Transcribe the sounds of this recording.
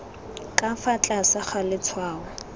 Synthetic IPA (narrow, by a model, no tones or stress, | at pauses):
kʼafat͡ɬʼasaχalɪt͡sʰwaːʊ